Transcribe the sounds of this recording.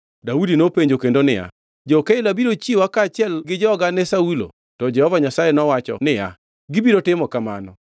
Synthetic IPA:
daudinopeɲd͡ʒokendonɪja̰ | d͡ʒɔkeɪlabiɾot͡ʃiwakaːt͡ʃɪɛlɡɪd͡ʒɔɔɡanɛsaulo̰ | tɔd͡ʒɛhɔvaɲasajɛnɔwat͡ʃɔ̰nɪja̰ | ɡɪbiɾotɪmɔkamanɔ

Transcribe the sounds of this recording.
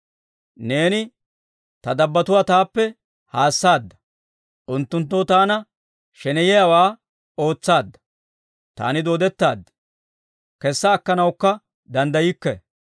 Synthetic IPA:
ne̞ːnɪ | t̪ɐd̪ɐbːɐt̪ʊwaːt̪aːpːɛ | haːsːaːd̪ːɐ̥ | ʔʊnt̪ːʊnt̪̬ːot̪aːnɐ | ʃɛnɛjɛjawaː | o̞ːt͡sːaːd̪ːɐ̥ | t̪a̰ːnɪd̪o̞ːd̪ɛt̪ːa̰ːd̪ː | kɛsːɐːkːɐnɐwkːɐ | d̪ɐnd̪ɐjɪkːɛ

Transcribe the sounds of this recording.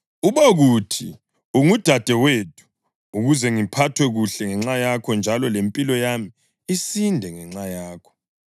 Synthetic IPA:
uβoɣutʰi | uŋud̥ʱad̥ʱɛwetʰʼu̥ː | ɣuzɛŋipʰatʰwɛɣuɬɛŋɛŋ͡ǁajakʰɔnd͡ʒʱalɔlempʼilɔjami | isindʱɛŋɛŋ͡ǁajaːkʰɔ̥

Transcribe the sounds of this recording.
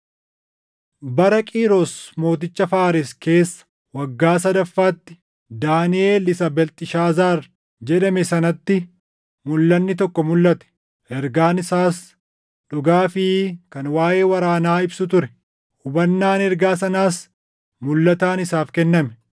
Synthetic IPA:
bɐɾɐkʼiːɾɔsmo̞ːt̪̬ɪt͡ʃːɐfaːɾɪske̞ːsːɐ̥ | wɐɡːaːsɐd̪ɐfːaːt̪ːɪ̥ | d̪aːnɪeːlɪsɐbɛlt̪ʼɪʃaːzaːɾ | d͡ʒɛᶑɐmɛsɐnɐt̪ːɪ | mʊlːɐnːɪt̪ɔkːɔmʊlːɐt̪ɛ̥ | ʔɛɾɡaːnɪsaːs | ᶑʊɡaːfɪkɐnwaːje̞ːwɐɾaːnaːɪbsʊt̪ʊɾɛ | hʊbɐnːaːnɛɾɡaːsɐnaːs | mʊlːɐt̪aːnɪsaːfkɛnːɐmɛ

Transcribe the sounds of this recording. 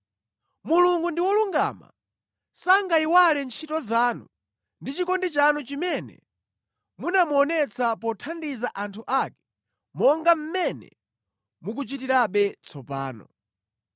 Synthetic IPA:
muluŋɡundiwɔluŋɡa̰ma̰ | saŋɡaiwalɛnt͡ʃʰitɔzaːnṵ | ndit͡ʃikɔndit͡ʃanut͡ʃimɛnɛ̰ | munamuɔnɛt͡sʰapɔtʰandizaʔantʰuʔakɛ̥ | mɔŋɡam̩mɛnɛ̰ | muk̬ut͡ʃit̬iɾaɓɛt͡sʰɔpaːnɔ̰

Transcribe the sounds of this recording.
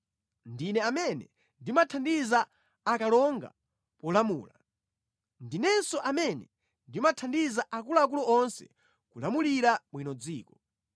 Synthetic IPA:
ndinɛamɛnɛ | ndimatʰandizaː | kalɔŋɡa̰ | pɔlamṵːla | ndinɛnsɔʔamɛnɛ | ndimatʰandizaʔak̬ulaːk̬ulɔɔnsɛ̰ | kulamuliɾamwinɔd͡ziːkɔ

